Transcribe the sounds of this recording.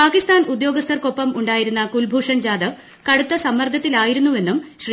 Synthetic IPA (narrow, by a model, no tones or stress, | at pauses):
paːkist̪aːnud̪jo̞ːɡɐst̪ʰɐrko̞pːɐmuɳɖaːjiɾunːɐkulbʱuːʂɐnd͡ʑaːd̪ɐ | kɐɽut̪ːɐsɐmːɐrd̪ʱjɐt̪ːilaːjiɾunːue̞nːumɕri